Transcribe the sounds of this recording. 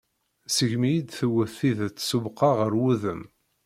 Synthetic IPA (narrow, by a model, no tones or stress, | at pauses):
səʝmijid̪θəwːəθːiðæt͡sːsubqɑʁəɾwuðəm